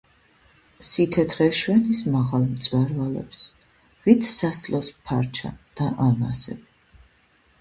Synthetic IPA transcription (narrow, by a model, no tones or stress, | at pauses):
sit̪ʰɛt̪ʰɾɛʃwɛnismaʁalˠmt̪sʼwɛɾvalɛ̰ps | vit̪ʰsaslɔspʰaɾt͡ʃʰa̰d̪̥aʔamasɛ̰b